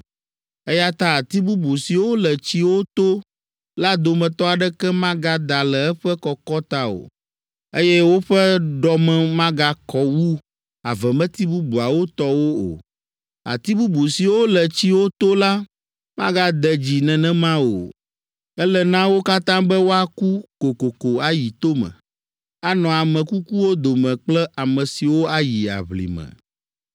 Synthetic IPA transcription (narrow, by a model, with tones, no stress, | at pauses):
ɛ˦ja˦t̪a˦a˨t̪i˦bu˦bu˨si˨wo˦lɛ˨t͡ɕi˦wo˦t̪o˦ | la˦d̪o˨mɛ̃˨t̪ɔ˦a˨ɖɛ˦kɛ˦mã˦ɡa˦d̪a˨lɛ˨ɛ˦ɸɛ˦kɔ˨kɔ˦t̪a˦o̰˨ | e˦jɛ˦wo˦ɸɛ˦ɖɔ˨mɛ̃˨mã˦ɡa˦kɔ˦wu˦ | a̰˨vɛ˨mɛ̃˦t̪i˦bu˦bu˨a˨wo˦t̪ɔ˦wo˦o̰˨ | a̰˨t̪i˦bu˦bu˨si˨wo˦lɛ˨t͡ɕi˦wo˦t̪o˦la˦ | mã̰˦ɡa˦d̪ɛ˨d͡ʑi˨nɛ̃˨nɛ̃˦mã˦o̰˨ | ɛ˦lɛ˦nã˦wo˦ka˦t̪ã˦bɛ˦wo˦a˨ku˦ko˨ko˨ko˨a˨ji˨t̪o˦mɛ̰̃˨ | a˨˦nɔ̃˨a˨mɛ̃˨ku˦ku˦wo˦d̪o˨mɛ̃˨k͡plɛ˦ʔa˨mɛ̃˨si˨wo˦a˦˨ji˨a̰˨βlḭ˨mɛ̰̃˨